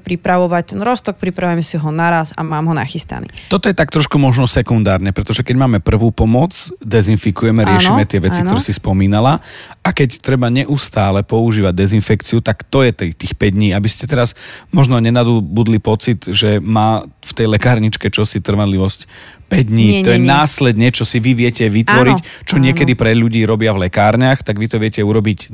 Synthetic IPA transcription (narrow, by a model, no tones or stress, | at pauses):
pɾipɾaʋɔʋac̚t̪ɛnɾɔst̪ɔk̚pɾipɾaʋujɛmɛsiɦɔnaɾasa̰maːmɦɔna̰xist̪a̰nḭːt̪ɔt̪ɔjɛt̪ak̚t̪ɾɔʃkumɔʒnɔsɛkund̪aːɾɲɛpɾɛt̪ɔʒɛkɛɟmaːmɛpr̩ʋuːpɔmɔt͡sd̪ɛzinfikujɛmɛɾɪɛʃimɛt̪ɪɛʋɛt͡sikt̪t̪ɔɾɛːsispɔmiːnalaakɛct̪ɾɛbaɲɛʔust̪aːlɛpɔuʒiːʋaɟ̚d̪ɛzinfɛkt͡siut̪akt̪ɔjɛt̪ɛt̪iːxpɛɟd̪ɲiːabiscɛt̪ɛɾazmɔʒnɔɲɛnad̪ubud̪lipɔt͡sit̪ʒɛmaːft̪ɛjlɛkaːɾɲit͡ʃkɛt͡ʃɔsit̪r̩ʋanliʋɔsc | pɛɟd̪ɲiːt̪ɔjɛnaːslɛd̪ɲɛt͡ʃɔsiʋiʋɪɛcɛʋit̪ʋɔɾict͡ʃɔɲɪɛkɛd̪ipɾɛʎuɟiːɾɔbɪavlɛkaːɾɲaxt̪aɡʋit̪ɔʋɪɛcɛuɾɔbic